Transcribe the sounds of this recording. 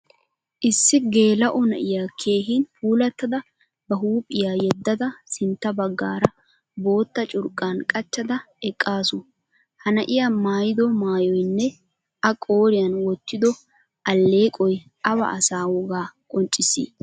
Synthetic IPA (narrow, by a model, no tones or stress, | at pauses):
ʔɪsːɪɡe̞ːlɐʔɔnɐ̰ʔɪjakʰe̞ːɦɪnfuːlɐt̪ːɐd̪ɐ | bɐɦuːpʼːɪjaːjɛd̪ːɐd̪ɐsɪnt̪ːɐbɐɡːa̰ːɾɐ | bo̞ːt̪ːɐt͡ʃʼʊɾkʼːaːnkʼɐt͡ʃːɐd̪ɐ | ɛkʼːaːsʊ | hɐnɐʔɪjamaːjɪd̪ɔmaːjɔjnːɛ | ʔɐkʼo̞ːɾɪjɐnwɔt̪ːɪd̪ɔ | ʔɐlːe̞ːkʼɔj | ʔɐbɐ̰ɐsaːwɔɡaːkʼɔnt͡ʃʼːɪsḭː